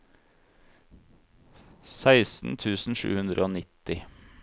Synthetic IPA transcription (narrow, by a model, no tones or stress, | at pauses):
sæɪsn̩t̪ʰʉːsn̩ʃʉ̰ːhʉnd̪ɾəoːnɪt̪ɪ